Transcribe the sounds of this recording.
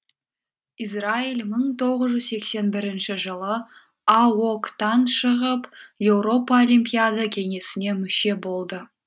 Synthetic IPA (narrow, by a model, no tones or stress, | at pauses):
is̬railməɴt̪ʰo̞ʁəzʒʏzse̞kse̞nbɪɾɪnʃɪʒəlˠə | ɑwokt̪ɑnʃəʁəpje̞wɾo̞paolijmpʲijad̪akʲʰe̞ŋe̞sɪne̞mʏʃe̞bo̞lˠd̪ə